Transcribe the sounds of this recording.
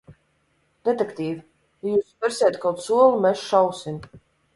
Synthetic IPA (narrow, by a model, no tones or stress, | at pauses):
d̪̥ɛt̪ɛkt̪iːvi | jajuːspɛɾsʲeɛt̪kawt̪suɔlˠumɛsʃawsim